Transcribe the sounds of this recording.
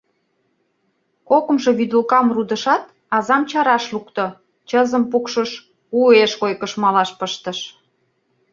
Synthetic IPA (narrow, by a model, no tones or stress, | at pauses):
kokə̆mʃɤ̆βyd̪ulkɑmrud̪ə̆ʃɑt̪ | ɑzɑmt͡ɕɑɾɑʃlukt̪ŏ | t͡ɕəzə̆mpukʃəʃ | ueʃojkəʃmɑlɑʃpəʃt̪ə̆ʃ